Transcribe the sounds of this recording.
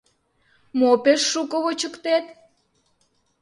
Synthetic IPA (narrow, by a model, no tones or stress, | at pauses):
mopeʃːukəβot͡ɕəkt̪et̪